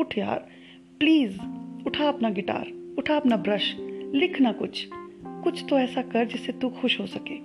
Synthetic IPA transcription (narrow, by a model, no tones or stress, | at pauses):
ʊʈʰja̰ːɾ | pliːzʊʈʰaɐpnaɡɪʈa̰ːɾʊʈʰaɐpnabɾɐʃlɪkʰnakʊt͡ʃʰkʊt͡ʃʰt̪oɛːsakɐɾd͡ʒɪsːet̪uxʊʃɦosɐkeː